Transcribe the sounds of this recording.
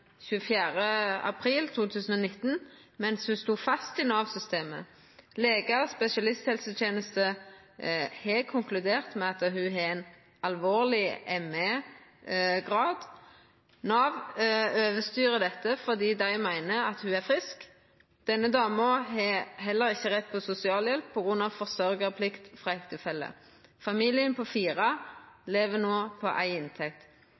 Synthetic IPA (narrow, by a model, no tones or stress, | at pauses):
çʉəfjæːʁəɑ̰pʰʁiːlt̪ʰuːt̪ʰʉːsən̩ɔnɪt̪ːn | mɛnshʉst̪uːfɑst̪ɪnɑːʋsʏst̪eːmə̰ | leːɡəʁspɛsɪɑlɪst̪hɛlsət̪ʰjeːnəst̪ə | hɛkʰʊŋklʉd̪eːʁt̪mɛɑt̪ɦʉɦɛɛɪn | ɑlʋoːlɪɛmə | ɡʁɑːd̪ | nɑːʋøːʋəst̪yːʁəd̪ɛt̪ːəfɔʁd̪iːd̪æɪmæɪnəɑt̪hʉæʁfʁɪsk | d̪̥ɛnːəd̪ɑːməɔɦɛɦɛlːəɾɪçəʁɛt̪̚ːpʰɔsʊsɪɑːljɛlp̚pʰɔɡʁʉnɑʋfɔʁsœʁɡəpʰlɪkt̪fʁɑɛt̪ʰːɪlfɛlːə̰ | fɑmiːlɪənpʰɔfiːʁɑleːʋənoːpʰɔ̰ʔæɪɪnt̪ʰɛkt̪